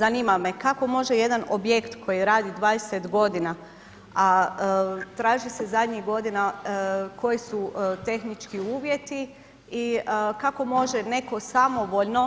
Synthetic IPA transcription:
zaniːmame̞kako̞mo̞ʒeje̞d̪anobje̞kt̪kʰo̞jiɾaːd̪id̪ʋaːd̪eset̪ɡo̞d̪ina | a | t̪ɾaːʒise̞zad̪ɲiɡo̞d̪inako̞jisut̪e̞xnit͡ʃkiuːʋje̞t̪i | ikako̞mo̞ʒe̞ne̞ko̞samo̞ʋo̞ʎno̞

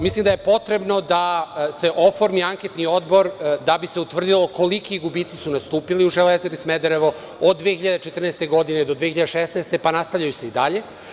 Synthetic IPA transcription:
mislimd̪ajepo̞t̪ɾe̞bno̞d̪ase̞ʔofo̞ɾmiaŋke̞t̪nio̞d̪bo̞ɾd̪abise̞ut̪ʋr̩d̪ilo̞ko̞likiɡubit̪si̥sunast̪uːpiliuʒelezeɾismed̪eɾeʋo | od̪ːʋexiʎad̪et͡ʃet̪r̩neːst̪eɡo̞d̪ined̪o̞d̪ʋeçiʎad̪eʃesneːst̪e̞panast̪avʎajuse̞id̪aʎe̞

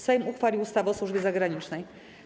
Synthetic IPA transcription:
sɛjmuxfalʲiwust̪avɛɔswuʐbʲjɛzaɡɾaɲit͡ʂnɛj

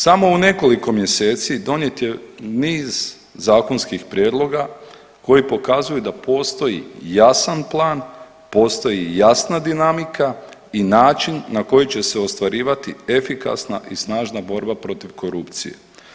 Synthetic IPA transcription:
samo̞une̞ko̞liko̞mje̞se̞ːt̪sid̪o̞nje̞t̪je̞niːz | zaːko̞nskixpɾje̞ːd̪lˠo̞ɡa | ko̞jipo̞kazujud̪apo̞ːst̪o̞jḭjasanplˠaːn | po̞ːst̪o̞jijasnad̪inamikainaːt͡ʃinːako̞jit͡ɕe̞se̞o̞st̪ʋaɾiːʋat̪iefika̰sna̰ʔisnaːʒnabo̞ɾbapɾo̞t̪iʋko̞ɾupt̪sḭje̞̰

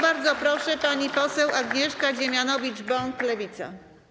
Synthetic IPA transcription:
baɾd̪zɔpɾɔʂɛpaɲipɔsɛwʔaɡɲɛʂkaʑemʲjanɔvʲid͡ʐbɔŋklɛvʲit̪sa̰

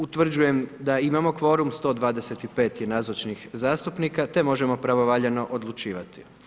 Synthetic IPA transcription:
ut̪ʋr̩d͡ʑuje̞md̪aimamo̞kʋo̞ɾumst̪o̞ːd̪ʋaːd̪e̞se̞t̪ipe̞ːt̪jenazot͡ʃnixzaːst̪upnikat̪e̞mo̞ʒe̞mo̞pɾaʋoʋaʎeno̞ʔod̪lˠut͡ʃiːʋat̪i̥

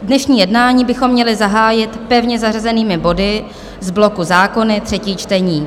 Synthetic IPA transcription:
dnɛʃɲiːjɛdnaːɲiːbɪxo̞mːɲɛlɪzaɦaːjɪt̪pɛvɲɛzarazɛniːmɪbo̞dɪ | zblo̞kuzaːko̞nɪt̪r̥ɛciːt͡ʃt̪ɛɲiː

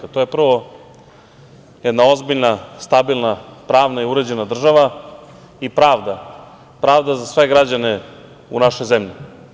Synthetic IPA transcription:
at̪o̞je̞pr̩ʋo̞ | jɛd̪naozbiʎnast̪abilˠnapɾaːʋnaiuɾed͡ʑenad̪r̩ʒaʋa | ipɾaːʋd̪a | pɾaːʋd̪azasʋe̞ɡɾad͡ʑane | unaʃojzemʎi

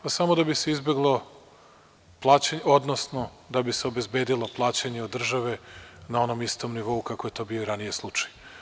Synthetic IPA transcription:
pasamo̞d̪abise̞izbjeɡlˠo̞ | plˠaːt͡ɕeɲo̞d̪nosno̞ | d̪abiseobe̞zbe̞ːd̪ilo̞plˠaːt͡ɕeɲeod̪ːr̩ʒaʋe̞nao̞no̞mist̪o̞mniʋo̞ukakoje̞t̪o̞ːbioɾanijeslˠut͡ʃḁj

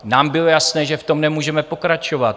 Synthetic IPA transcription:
naːmbɪlo̞jasnɛːʒɛft̪o̞mnɛmuːʒɛmɛpo̞kɾat͡ʃo̞vat̪̚

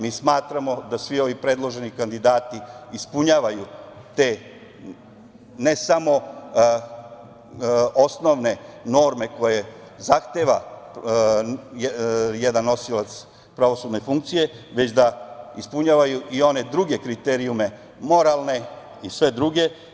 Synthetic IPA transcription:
miːsmaːt̪ɾamo̞d̪asʋio̞ʋipɾe̞d̪lˠo̞ʒe̞nikand̪id̪aːt̪iːspuɲaːʋaju | t̪eː | ne̞samo̞ | o̞sno̞ʋne̞no̞ːɾme̞ko̞je̞ | zaxt̪e̞ːʋa | jed̪anːo̞silat̪s | pɾaʋo̞sud̪ne̞fuŋk̚t̪sije̞ʋe̞t͡ɕd̪aispuɲaːʋajuʔio̞ne̞d̪ɾuɡe̞kɾit̪eɾiume̞ | mo̞ɾalˠne̞ | isʋe̞d̪ɾuɡe̞

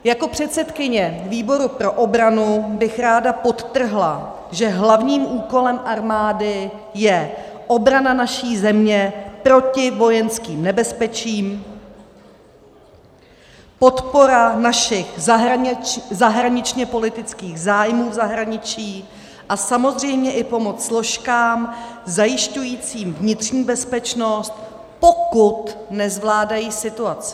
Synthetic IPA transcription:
jako̞pr̝̥ɛt̪sɛt̪kɪɲɛviːbo̞ɾupɾo̞ʔobɾanubɪxɾaːdapo̞t̪t̪r̩ɦla | ʒɛɦlavɲiːmʔuːko̞lɛmʔaɾmaːdɪ | jɛ | ʔo̞bɾananaʃiːzɛmɲɛpɾo̞cɪvo̞jɛnskiːmnɛbɛspɛt͡ʃiːm | po̞t̪po̞ɾanaʃɪxzaɦzaɦɾaɲɪt͡ʃɲɛpo̞lɪt̪ɪt͡skiːɣzaːjmuːvzaɦɾaɲɪt͡ʃiː | ʔasamo̞zr̝ɛjmɲɛʔɪpo̞mo̞t͡sslo̞ʃkaːmzajɪʃcujiːt͡siːmvɲɪt̪r̥ɲiːbɛspɛt͡ʃno̞st̪ | po̞kut̪nɛzvlaːdajiːsɪt̪uat͡sɪ̥

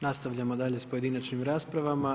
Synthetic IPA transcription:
nast̪aʋʎʲamod̪aʎespoed̪inat͡ʃnimɾaːspɾaʋama

